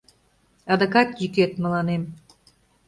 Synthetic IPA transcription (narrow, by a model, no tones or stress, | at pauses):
ɑd̪ə̆kɑt̪jyket̪̚mə̆lɑnem